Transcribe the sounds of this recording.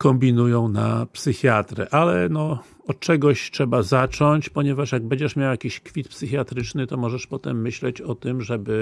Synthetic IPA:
kɔmbʲinujɔ̃w̃napsɘxʲjat̪ɾɛ̰ʔalɛnɔ | ɔt̪̚t͡ʂɛɡɔɕtʂɛbazat͡ʂɔɲt͡ɕpɔɲɛvaʂjaɡ̚bɛɲd͡ʑɛʂmʲjawjakʲiɕkfʲit̪psɘxʲjat̪ɾɘt͡ʂnɘt̪ɔmɔʐɛʂpɔt̪ɛmːɘɕlɛt͡ɕɔt̪ɘmʐɛbɘ

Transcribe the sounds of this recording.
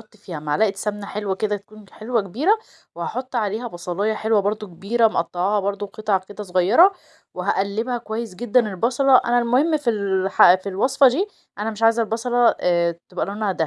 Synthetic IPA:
ot̪ˤːfiːhæmaʕlæʔt̪sæmnæħelwæked̪æt̪æ̥kuːnħelwækebiːɾæ | wehɑħot̪ˤːʕaleːɦæbɑsˤɑleːjːɑħelwæbɑɾˤd̪ˤokebiːɾæmoʔɑt̪ˤːɑʕɑːhɑbɑɾˤd̪ˤoqet̪ˤʕɑked̪æsˤoɣɑjːɑɾˤɑ | weɦæʔælːebhækowæjːesɡed̪ːænelbɑsˤɑlɑʔæ̰nælmohemːfilħafilwɑsˤfɑd̪iː | ʔænæmeʃʕaːjezælbɑsˤɑlɑt̪ebʔælonːæhæd̪æ

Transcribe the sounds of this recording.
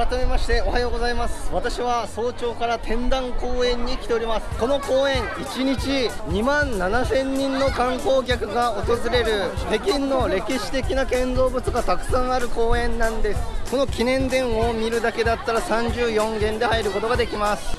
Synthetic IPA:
at̪ome̞maɕi̥t̪e̞ohajoːɡozaimasɨ̥βat̪aɕiβaso̞ːt͡ɕo̞ːkaɾat̪ʰẽ̞nd̪ãŋko̞ːẽ̞ɲ̟ːikʲi̥t̪e̞o̞ɾʲimasɨ̥ko̞no̞ko̞ːẽ̞ɰit͡ɕiɲ̟it͡ɕiɲ̟imãnnanasẽ̞ɲ̟ːĩnːo̞kãŋko̞ːkʲakɯ̟ɡao̞t̪o̞zɨɾe̞ɾɯ̟he̞kʲĩnːo̞ɾe̞kʲiɕi̥t̪e̞kʲinakẽ̞nzo̞ːbɯ̟t͡sɨɡat̪akɯ̟̥sãɰ̃aɾɯ̟ko̞ːẽ̞nːãnd̪e̞sɨ̥ko̞no̞kʲinẽ̞nd̪ẽ̞ɰ̃o̞mʲiɾɯ̟d̪ake̞d̪at̪ːaɾasãɲ̟d͡ʑɨːjõ̞ŋɡẽ̞nd̪e̞haiɾɯ̟ko̞t̪o̞ɡad̪e̞kʲimasɨ̥

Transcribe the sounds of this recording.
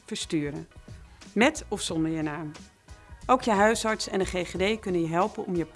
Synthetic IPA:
v̥əɹstyːɾə̰nmɛtɔfsɔndəɹjənaːm | ʔowkjəɦœɥsɑɹtsɛ̰ndəχeːχedejkɵnənjəɦɛlˠpənɔ̰mjəp

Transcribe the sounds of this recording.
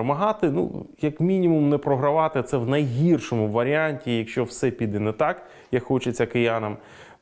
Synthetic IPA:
mɐɦɑt̪ɪnṵjɐkmʲinʲimʊmnɛpɾɔɦɾɐʋɑt̪ɪt̪sɛwnɐjɦʲirʃɔmʊʋɐɾʲɪanʲtʲijɐkʃt͡ʃɔwsɛpʲid̪ɛnɛt̪ɑk | jɐkxɔt͡ʃɪt͡sʲːɐkɪjanɐm

